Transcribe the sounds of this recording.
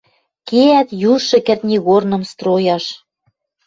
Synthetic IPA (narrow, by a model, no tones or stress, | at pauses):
keæt̪juʃɤ̆kĕrt̪ʲnʲiɣornɤ̆mst̪ɾojɑʃ